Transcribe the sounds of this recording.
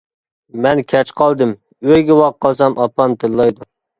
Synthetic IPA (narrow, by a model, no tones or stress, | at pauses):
mɛnkʲʰɛt͡ʃqʰɑlˠd̪ɨm | øjɡʲɛwɑqʰːɑlˠsɑmʔɑpːɑmt̪ʰɨlːɑjd̪u